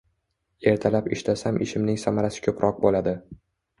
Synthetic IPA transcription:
e̞ɾt̪ʰalapɪʃlasamʔɪʃɪmnɪŋsamaɾasɪ̥kʲʰɵpɾʔɒq̚bolad̪ɪ

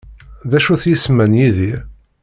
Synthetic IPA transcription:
ðæʃuθjismænjiðiɾ

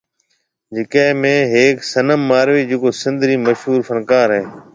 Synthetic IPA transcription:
d͡ʒɪkẽːmẽːɦeːksənəmːaːɾʋiːd͡ʒeːkoːsɪ̃nd̪ɾiːməʃɦuːɾfənkaːɾɦẽː

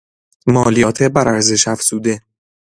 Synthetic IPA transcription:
mɒːlijɒːt̪ʰebæɾæɾze̞ʃæfsuːd̪e

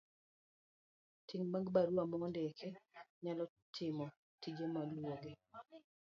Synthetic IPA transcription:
tiŋmaŋɡbaɾwamɔndekʰeɲalɔ | tʰɪmɔ | tid͡ʒemalwoɡe

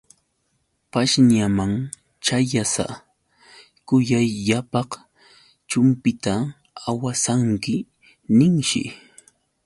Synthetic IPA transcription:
paʃnamaŋ | t͡ʃajasa̰ | kʊjajːapɑχ | t͡ʃʊmpɪt̪a | awasaŋkɪ | nɪŋʃɪ̰

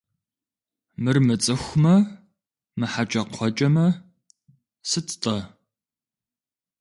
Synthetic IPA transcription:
mɨrmɨt͡sʼɨxʷmɐ | mɨħat͡ʃʼɐqʷʰɔt͡ʃʼɐmɐ | sɨtʰʼtʼɐ

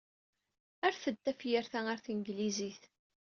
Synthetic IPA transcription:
æɾθəd̪ːæfjəɾθææɾθiŋɡliziθ

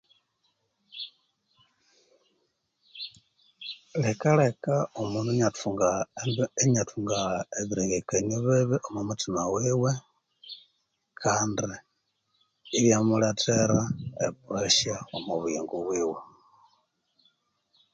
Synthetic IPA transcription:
lekalekaomunuɲatuŋɡaeɲatuŋɡaeβiɾeŋɡekeniβeβeʔomumutimawiːwe | kʰaːndi | βjamuletʰeɾaḛpueʃaomuβuḭŋɡuβwiːwe

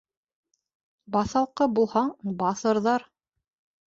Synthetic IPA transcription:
bɑθɑlˠqɤbulˠhɑɴbɑθɤ̆ɾðɑɾ

